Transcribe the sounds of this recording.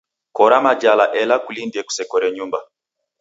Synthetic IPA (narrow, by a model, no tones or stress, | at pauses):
kɔɾamad͡ʒalaʔɛlakulindiɛku̥sɛkɔɾɛɲumba